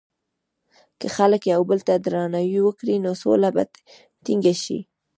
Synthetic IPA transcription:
kəxaləkjawbəlt̪ad̪ɾɑnawiwəkɽinoso̰laba̰ | t̪iŋɡaʃḭ

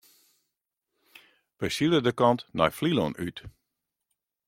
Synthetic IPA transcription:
ʋəjsilədəkɑntnɔ̰jflilɔnyt

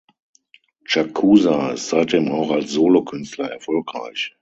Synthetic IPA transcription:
t͡ʃakʰuːzaɪstz̥aɪt̚d̥eːmaʊxalsz̥oːlokʰʏnstʰlɐɛɐfɔlkʁ̥a̰ɪç

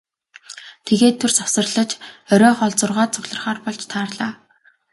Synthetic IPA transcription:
t̪ʰeɣeːt̪ʰːursɔwsə̆rɮə̆t͡ɕœɾʲɔːχɔɮt͡sʊrʁaːt̪̚t͡sʊɣɮə̆rχaːrpɔɮt͡ɕt̪ʰaːrɮaː

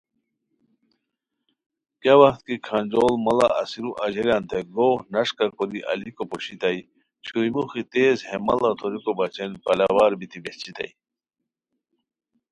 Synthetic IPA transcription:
kjawɐxt̪kikʰanʲd͡ʑoːlmɐla̰ɐsiɾuʔɐʑɐɾjaːnt̪ʰeɡoːhnɐʂkakod̪iʔɐ̰likopoɕit̪ɐi | t͡ɕʰujmuxit̪eːzhemɐ̰lɐt̪ʰoɾikobɐt͡ɕenpɐlawaːɾbit̪ʰibet͡ɕit̪ɐ̰i

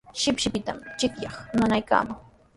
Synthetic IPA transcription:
ʃɪpʃɪpɪt̪a̰mt͡ʃɪkjɑχmanajka̰ːmaŋ

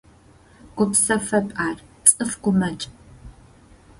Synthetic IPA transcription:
ɡʷʊpsɐfɐpʼaːrt͡sʼɨfɡ̥ʷʊmɐt͡ʃʼ

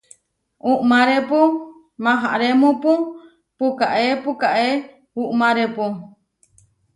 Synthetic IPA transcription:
uʔmãɾepu | mãɦaʔɾemũpũ | pukaʔepukaʔe | uʔmãɾepu

